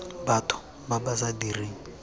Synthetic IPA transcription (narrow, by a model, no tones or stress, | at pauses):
batʰɔ̥ | babasadiriːŋ̩